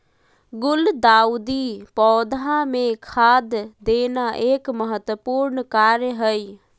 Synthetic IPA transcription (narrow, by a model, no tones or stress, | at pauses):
ɡʊld̪aud̪ipɔːd̪ãmekʰad̪d̪enaʔekməɦət̪wəpuːɾnkaɾjəɦəj